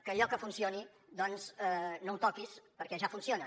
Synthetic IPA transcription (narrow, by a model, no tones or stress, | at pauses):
kəːʎɔkəfunsioni | d̪ɔnzɛnowt̪ɔkispəɾkɛʒafunsionə